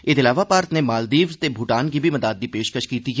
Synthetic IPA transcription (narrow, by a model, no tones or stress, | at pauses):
ɪd̪ɪlaːʋapaːɾt̪nemaːld̪iːʋt̪ebʱuʈaːnkibʱimɐd̪aːd̪̚ːipeːʃkəʃkiːt̪i